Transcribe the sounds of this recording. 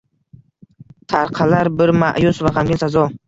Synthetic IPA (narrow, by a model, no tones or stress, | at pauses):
t̪ʰaɾqʰɑlaɾbɪɾma̰ʔjʊsvaʁamɡʲɪnsazɒ